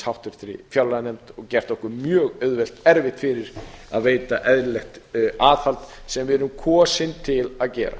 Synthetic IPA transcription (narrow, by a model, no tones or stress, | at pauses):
hawht̪ʏɾ̥θɾɪ̰fjawlanɛmt̪ɔɣcɛr̥t̪ɔhkʏɾmjœːɣœɥðvɛl̥t̪ɛɾvɪht̪fɪɾɪɾ̥aðveːjt̪aʔɛðɾlɛxt̪aːðfalt̪sɛmvɪɾʏmkʰɔːsɪnt̪ʰɪlaðcɛːɾa̰